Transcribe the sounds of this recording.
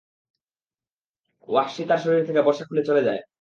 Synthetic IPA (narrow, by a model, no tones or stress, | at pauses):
wakʃit̪aɾʃoɾiɾt̪ʰekebɔɾʃakʰulet͡ɕoled͡ʑae